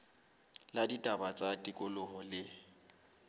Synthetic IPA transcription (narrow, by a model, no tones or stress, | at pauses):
laditʼabat͡sʼatʼikʼʊlʊhɔlɪ